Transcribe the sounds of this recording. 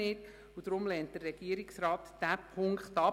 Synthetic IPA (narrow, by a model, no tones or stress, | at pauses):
ɪːd | ud̥̪ɾʊmlɛnt̚d̥ərːɛɡ̥iəɾɪksrɑːtd̥æpʰʊŋkχtɑ